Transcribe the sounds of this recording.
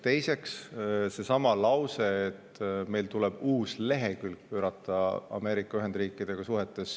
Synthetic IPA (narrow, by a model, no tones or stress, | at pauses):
t̪e̞jse̞ksse̞sɑmɑlɑwse̞ːt̪ːme̞jlt̪ulɛb̥uːsle̞ɦe̞kylk̚pø̞ːɾɑt̪ˑːɑɑ̰me̞ːɾikːˑɑyɦe̞nd̪riːkːˑid̪̥e̞ɡ̥ɑsuɦe̞t̪ːˑe̞s